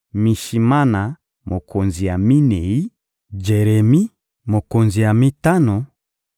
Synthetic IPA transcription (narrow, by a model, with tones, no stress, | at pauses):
mi˨ʃi˨ma˦na˨ | mo˨kʰo˨nzi˨ja˨mi˦nɛ˨i˦ | d͡ʒɛ˨ɾɛ˨mi˦ | mo˨ko˨nzi˨ja˨mi˦ta˦nɔ˨